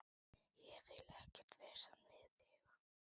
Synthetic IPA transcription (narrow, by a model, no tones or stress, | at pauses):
jɛvɪlɛhcɛr̥t̪vɛːsanvɪðɪx